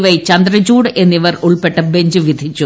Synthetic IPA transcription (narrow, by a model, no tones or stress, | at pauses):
ʋɐjt͡ɕɐnd̪rɐd͡ʑuːɽɨʔe̞nːiʋɐruɭpeʈːɐbeɲd͡ʑɨʋid̪ʱit͡ɕːu